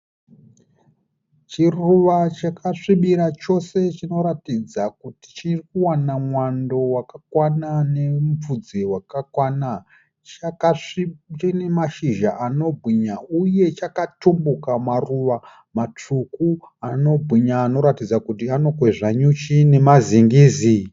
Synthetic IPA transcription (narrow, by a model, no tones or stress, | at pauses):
t͡ʃiruʋat͡ʃakʰaʂiɓiɾat͡ʃo̞se̞t͡ʃino̞ɾatid͡zakuti̥t͡ʃirikuwanamwando̞wakakwananemfud͡zewakakwana | t͡ʃakaʂit͡ʃinemaʃiʒaʔano̞bʱwiɲauje̞t͡ʃakatumbukamaruʋa | mat͡ʂuku | ano̞bʱwiɲaːno̞ɾatid͡zakutiano̞kwe̞ʐaɲut͡ʃine̞maziŋɡiːzi